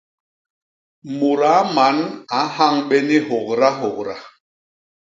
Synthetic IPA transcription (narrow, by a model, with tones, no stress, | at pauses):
mu˨ɾa˨˦ma˨˦na˨˦ha˦˨ŋɓɛ˦ni˦hɔ˨k̚ɾa˦ɦɔ˨kɾa˨